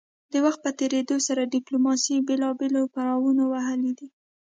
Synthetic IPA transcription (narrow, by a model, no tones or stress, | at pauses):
d̪̥əwaxt̪̚pət̪eɾed̪osaɾaɖɪplomɑsibelɑbelopaɾɑwunowaɦəlid̪i